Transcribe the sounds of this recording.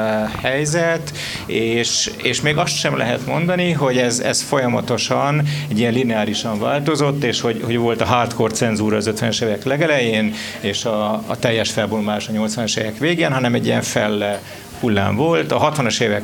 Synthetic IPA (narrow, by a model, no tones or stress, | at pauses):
hɛjzɛt̪ | eːʃeːʃmeːɡɒst̪ʃɛmlɛ̰ɦɛt̪mo̞nd̪ɒniɦo̞ɟɛzɛ̰sfo̞jɒmɒ̰t̪o̞ʃɒnɛɟijɛnlinɛaːɾiʃɒɱvaːlt̪o̞zo̞t̪ːeːʃho̞ɟho̞ɟvo̞lt̪ɒɦaːt̪ko̞rt̪sɛnzuːɾɒːzøt̪ʋɛnøʃeːvɛklɛɡɛlɛjeːn | eːʃɒːt̪ɛjːɛʃfɛlbombaːʃɒɲo̞lt̪sʋɒnɒʃḛːvɛkʋeːɡeːnɦɒnɛmɛɟːijɛɱfɛlːɛ | hulːa̰ːɱvo̞lt̪ɒɦɒt̪ʋɒnoʃeːvɛ